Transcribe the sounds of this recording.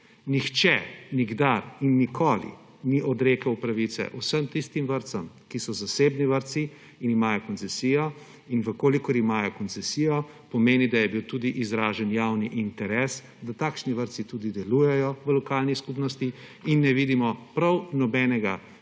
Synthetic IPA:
nixt͡ʃɛniɡd̪aɾinːikʰoːlḭ | niʔɔd̪ɾeːkɐwpɾaʋit̪sɛ̰ʔusəmt̪ist̪imʋəɾt̪sam | kisɔzaseːbniʋəɾt̪si | inimajɔkɔnt̪t͡s̪ɛsiːjɔ | inʋəkolikɔɾimaːjɔkɔnt̪sɛsijɔ | pɔmeːnid̪ajɛbiwt̪uːd̪iʔizɾaːʒənjawniʔint̪ɛɾɛs | d̪at̪aːkʃniʋəɾt̪sit̪ud̪id̪ɛlujɛjɔʋəlɔkaːlniskupnɔst̪i | inːɛʋid̪imɔpɾawnɔbɛnɛɡa

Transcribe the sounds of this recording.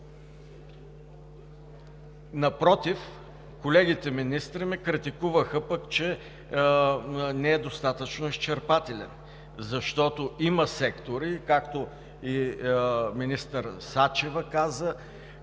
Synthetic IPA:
nɐpɾɔt̪if | kolɛɡit̪ɛminist̪ɾimɛkɾit̪ikuvəxəpəkt͡ʃɛ | nɛɛd̪ost̪at̪ət͡ʃnoist͡ʃɛɾpat̪ɛlɛ̰n | zɐʃt̪ɔt̪oimɐsɛkt̪oɾikakt̪o | i | minist̪əɾsat͡ʃɛvəkazə

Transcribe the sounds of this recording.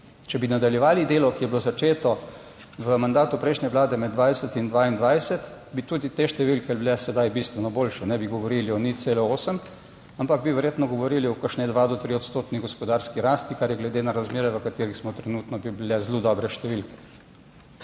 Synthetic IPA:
t͡ʃɛbinad̪aljɛʋaːlid̪eːlɔkijɛbilozat͡ʃeːt̪ɔ | ʋəmand̪aːt̪upɾɛjʃnʲɛʋlaːd̪ɛmɛd̪d̪ʋajsət̪ind̪ʋaind̪ʋajsɛt̪bit̪uːd̪it̪eʃt̪ɛʋilkɛbilɛsɛd̪ajbist̪ʋɛnɔboːlʃɛnɛbiɡɔʋɔɾiliɔniselɛoːsəm | ampaɡ̚biʋɛɾjeːt̪nɔɡɔʋɔɾiliɔkəʃnɛd̪ʋad̪ɔt̪ɾiɔt̪st̪oːt̪niɡɔspɔd̪aːɾskiɾaːst̪ikaɾjɛɡlɛd̪enaɾazmeːɾɛʋəkat̪eːɾixsmɔt̪ɾɛnuːt̪nɔbibilɛzlod̪ɔːbɾɛʃt̪ɛʋilkɛ̥

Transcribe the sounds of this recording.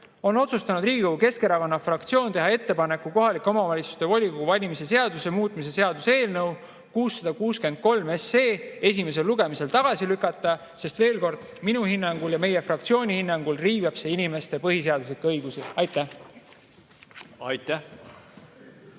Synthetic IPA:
o̞no̞t̪sust̪ɑnud̪riːɡʲikoɡuke̞ske̞ɾɑvɑnːɑfrɑkt̪sio̞ːnt̪e̞ɦɑe̞t̪ːe̞pɑne̞kˑːuko̞ɦɑlikˑːo̞mɑvɑlʲit̪su̥st̪e̞vɑlʲikoɡuvɑlʲimise̞se̞ɑd̪̥use̞muːt̪ːˑmis̬e̞se̞ɑd̪̥use̞ːlnɤw | kuːsːɑd̪ɑkuːske̞nd̪̥̚ko̞lme̞seːe̞s̬ʲime̞s̬e̞lːuɡ̥e̞mise̞lt̪ɑɡ̥ɑsilykːˑɑt̪ːˑɑ | se̞st̪ve̞ːlko̞rd̪̥ | minuhinːɑŋɡ̥uljɑme̞je̞frɑkt̪sio̞ːnʲihinːɑŋɡ̥ulriːvɑb̥se̞inime̞st̪e̞pɤɦis̬e̞ɑd̪us̬likˑːɤ̞jɡ̥usiɑjt̪ːˑæ | ɑjt̪ːæ

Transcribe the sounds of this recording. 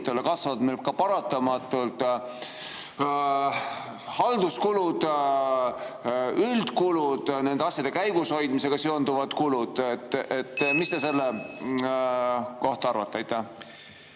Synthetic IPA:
t̪ːˑelːekɑsvɑd̪melkɑpɑɾɑt̪ːˑɑmɑt̪ˑːult̪ˑ | hɑld̪̥uskulud̪̥ | yld̪̥kulud̪̥ne̞nd̪eɑsʲjɑd̪̥e̞kæjɡ̥usho̞jd̪̥mise̞ɡ̥ɑseo̞nd̪uvɑd̪̥kulud̪̥et̪ːet̪ːmist̪ese̞lːe | ko̞ht̪ɑɑɾvɑt̪ˑːeɑjt̪ːæ

